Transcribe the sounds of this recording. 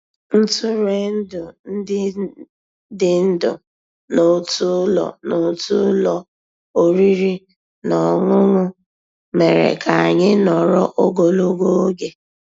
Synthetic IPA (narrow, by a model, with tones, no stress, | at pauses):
n̩˦tʊ˦ɾe˦n̩˦dʊ˨n̩˦dɪ˦ | dɪ˦n̩˦dʊ̰˨ | no˦tu˦lɔ̰˨no˨˦tu˦lɔ˦ | o˦ɾi˦ɾi˦ | nɔ˨ŋʷʊ˦ŋʷʊ˦ | me˨ɾḛ˨kʰa˨a˨ɲɪ˦nɔ˨ɾɔ˦ʔo˦ɡo˨lo˦ɡo˦o˦ɡe˨